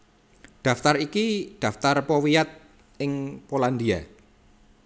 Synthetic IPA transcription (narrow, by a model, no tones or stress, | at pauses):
d̪̥ä̤ft̪aɾikid̪̥ä̤ft̪arpɔwijat̪̚ | ɪŋpoland̪ia